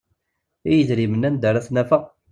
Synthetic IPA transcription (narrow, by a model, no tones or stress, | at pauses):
ijəzɾimənænd̪əɾæθnæfə